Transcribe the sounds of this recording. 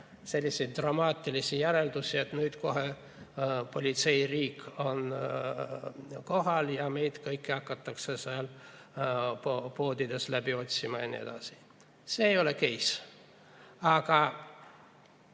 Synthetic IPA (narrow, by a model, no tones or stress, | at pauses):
se̞lʲːisejt̪̚d̪rɑmɑːt̪ːˑilisijæɾeld̪̥usʲie̞t̪nyːd̪̥ko̞ɦe | po̞lʲit̪se̞jriːkːo̞n | ko̞ɦɑljɑme̞jd̪̥kɤjkːiɑkːɑt̪ːˑɑksesɑl | opo̞ːd̪id̪e̞slæbio̞t̪ʲsimɑḛnʲḭe̞̰d̪̥ɑsi̥ | seːjo̞lekejs | ɑɡ̥ɑ